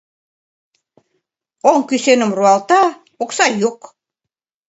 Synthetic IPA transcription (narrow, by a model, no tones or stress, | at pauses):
oŋkysenə̆mruɑlt̪ɑ | oksɑjuk